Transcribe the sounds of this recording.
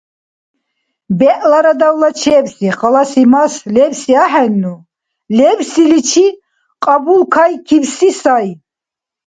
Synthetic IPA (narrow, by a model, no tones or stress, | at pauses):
bɛʔlaɾad̪awlat͡ʃʰɛbsiχalasimaslɛvsiaħɛnːu | lɛbsilit͡ʃʰi | qʼabulkʰajkʰivsisaj